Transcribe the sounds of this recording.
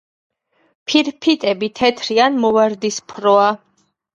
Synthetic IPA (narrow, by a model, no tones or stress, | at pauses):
pʰiɾpʰit̪ʼɛbit̪ʰɛt̪ʰɾianmɔvaɾd̪ispʰɾɔa